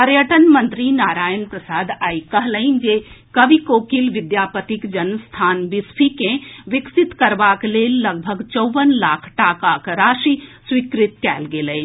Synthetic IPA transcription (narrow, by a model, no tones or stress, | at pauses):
pɐɾjəʈənmɐ̃nt̪ɾinaːɾaːjənpɾɐsaːd̪aːikɐɦləind͡ʒeːkɐʋikoːkilʋɪd̪jaːpət̪ɪkd͡ʒɐnst̪ʰaːnbɪspʰikẽʋɪksɪt̪kɐɾʋaːkleːlːɐɡ̚bʱəɡt͡ʃoʋənlaːkʰʈaːkaːkɾaːʃiswikɾɪt̪kɛːlɡeːlə